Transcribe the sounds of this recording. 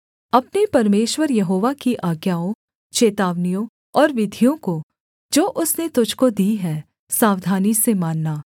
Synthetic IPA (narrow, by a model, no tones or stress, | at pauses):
ɐpnepɐɾmeːʃwəɾjɐɦoːʋakiʔaːɡjaːõ | t͡ʃeːt̪aːʋnijõ | ɔːɾʋɪd̪ʱijõko | d͡ʒoːʔʊsnet̪ʊd͡ʒʱkod̪iːɦɛː | saːʋd̪ʱaːnisemaːnːaː